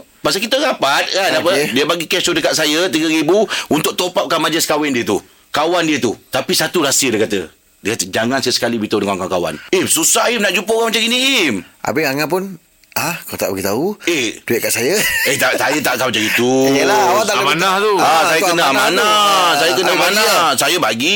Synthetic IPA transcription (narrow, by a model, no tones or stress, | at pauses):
paʔsəkit̪əɣapat̪̚kanapədiəbaɡikɛsudəkat̪̚sajət̪iɡəɾibuunt̪ʊk̚t̪opap̚kanmad͡ʒəskawɛndiət̪u | kawandiət̪ut̪apisat̪uɾasiədikat̪ə̰ | dəkat̪əd͡ʒaŋansjəsə̥kalibit̪odəkaŋkakawa̰nehsusahimnaʔd͡ʒupəkamat͡ʃaɡiniɪmʔa̰bɪaŋap̬ʊn | akalat̪aʔbaɡit̪auehduɛʔ̚kaʔsajəeht̪aʔsajət̪aʔkamat͡ʃaɡit̪ulawat̪amanaht̪uaajəkənamanasajəkənamanasajəbaɡi